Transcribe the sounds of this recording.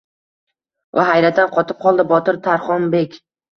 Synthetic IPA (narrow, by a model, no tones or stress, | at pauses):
va̰ɦajɾat̪̚d̪anqʰɒt̪ʰɪp̚qʰɒlˠd̪ɪbɒt̪ɪɾt̪ʰaɾχɒmbe̞kʲ